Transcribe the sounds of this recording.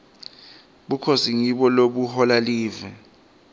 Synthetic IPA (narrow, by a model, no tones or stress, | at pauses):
ɓukʰosiŋiɓɔloɓuhɔlaliːvɛ